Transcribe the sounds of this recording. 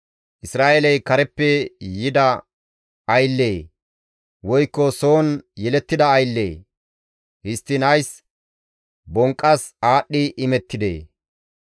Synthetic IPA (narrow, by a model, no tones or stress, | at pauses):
ʔɪsɾaːʔelɐjkɐɾɛpːɛjɪd̪ɐ | ɐjlːeː | wɔjkːɔsoːnjɛlɛt̪ːɪd̪ɐːjlːḛː | hɪst̪ːɪnɐjs | bɔŋkʼːɐsaːɗːɪʔɪmɛt̪ːɪd̪ḛː